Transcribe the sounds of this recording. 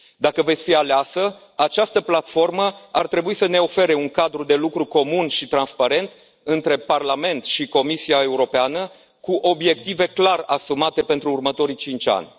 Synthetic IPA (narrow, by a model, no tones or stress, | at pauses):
d̪akəve̞t̪sʲfialeasə | at͡ʃast̪əplat̪fo̞rməart̪ɾe̞buisəne̞o̞fe̞ɾe̞uŋkad̪ɾud̪e̞lukɾuko̞munʃit̪ɾanspaɾe̞nt̪ | ɨnt̪ɾe̞parlame̞nt̪ʃiko̞misiae̞uɾo̞peanə | kuʔo̞bje̞k̚t̪ive̞klarasumat̪e̞pe̞nt̪ɾuːrmət̪o̞ɾit͡ʃint͡ʃʲa̰nʲ